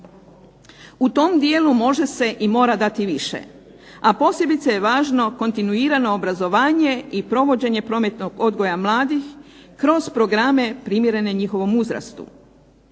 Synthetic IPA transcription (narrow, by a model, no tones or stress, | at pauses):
ut̪o̞md̪jeːlumo̞ʒe̞se̞ʔimo̞ːɾad̪at̪iʋiʃe̞̰ | apo̞sje̞bit̪seje̞ʋaːʒno̞ko̞nt̪inuiːɾano̞ːbɾazo̞ʋaːɲe̞ipɾo̞ʋo̞d͡ʑe̞ɲe̞pɾo̞ːme̞t̪no̞ɡo̞d̪ɡo̞jamlˠaːd̪ixkɾo̞zpɾo̞ɡɾame̞pɾimjeɾe̞ne̞ɲixo̞ʋo̞muzɾa̰st̪ṵ